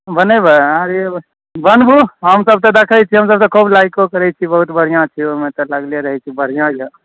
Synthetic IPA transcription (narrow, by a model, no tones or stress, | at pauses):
bənebəaɾe | bənbʱuɦəmsəb̚t̪ɔd̪ekʰəjt͡ʃʰiɦəmsəb̚t̪ɔkʰublajkokəɾɛt͡ʃʰibəɦut̪bʱəɽ̤ijãt͡ʃʰiomet̪ɔlaɡleɾəɦɛt͡ʃʰibəɽ̤ijãje